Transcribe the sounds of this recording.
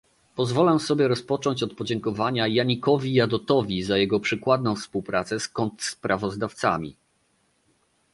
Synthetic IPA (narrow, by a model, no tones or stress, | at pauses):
pɔzvɔlɛsɔbʲjɛɾɔspɔt͡ʂɔɲt͡ɕɔt̪̚pɔd͡ʑɛŋkɔvaɲajaɲikɔvʲijad̪ɔt̪ɔvʲizajɛɡɔpʂɘkwad̪̚nɔ̃w̃fspuwpɾat̪sɛskɔnt̪spɾʔavɔzd̪aft̪sa̰mʲḭ